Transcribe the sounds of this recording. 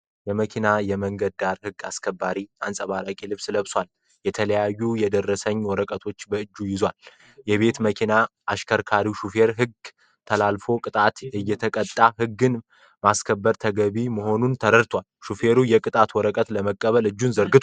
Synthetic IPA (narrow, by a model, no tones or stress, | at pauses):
jɛməkʰinajɛməŋɡəd̪̚d̪aɾhɨɡa̰skʰəbːaɾia̰nsʼəβaɾakʼilɨβsləβswal | jɛt̪ʰələjajːujɛd̪ərːəsəɲːwɔɾəkʼət̪ʰo̞t͡ʃːbəɨd͡ʒːujɪzwal | jɛβe̞t̪məkʰinaʔaʃkʰəɾkʰaɾiʃufe̞ɾɦɨɡ | t̪ʰəlalfo̞kʼɨt̪ʼat̪ɨjːɛt̪ʰəkʼət̪ʼːaɦɨɡːɨn | maskʰəbːəɾt̪ʰəɡəβiməɦo̞nunt̪ʰəɾəɾt̪ʰwalʃufe̞ɾujɛkʼɨt̪ʼat̪wɔɾəkʼət̪ləməkʼːəβəlɨd͡ʒːunzəɾɡɨt̪ʰ